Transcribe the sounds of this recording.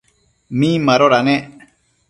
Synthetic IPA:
mĩməɾoɾane

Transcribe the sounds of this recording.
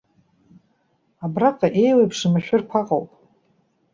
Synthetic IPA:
abraqʼaʔe̞jwejpʰʂɨmaʃᶣʊrkʷʰaqʼo̰wpʼ

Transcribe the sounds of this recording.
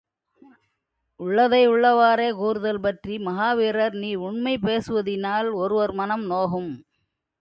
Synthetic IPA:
ʊɭːɐðɐɪʊɭːɐʋaːɾeːkuːɾɯðɐlpɐʈrimɐɣaːʋiːɾɐɾniːʊɳmɐɪpeːsɯʋɐðɪnaːlɔɾɯʋɐɾmɐnɐmnoːɣɯm

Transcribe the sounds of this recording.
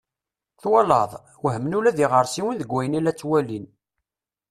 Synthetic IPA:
θwɑlɑðˤ | wɦəmnulæðiʁəɾˤsiwənðəɡʷːæjənilæt͡sːwælin

